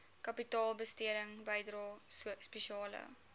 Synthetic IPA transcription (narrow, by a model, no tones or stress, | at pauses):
kɐpitɑːlˠbəstiəɾəŋbəjdrɑːspeʃiɑːlə̰